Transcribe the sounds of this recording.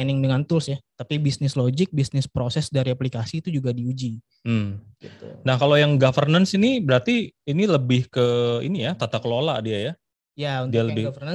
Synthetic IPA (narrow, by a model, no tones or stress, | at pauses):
ɛnɪŋdəŋant̪ʊlsɪht̪apibisnɪslod͡ʒɪk̚bisnɪspɾosɛsdaɾiaplikasiːt̪ud͡ʒuɡadiud͡ʒi | m̩ɡt̪unahkalojaŋɡafərnənsinibəɾart̪iːniləbɪhkəḭnijat̪at̪akəlola̰diaja | jaudialəbɪfənə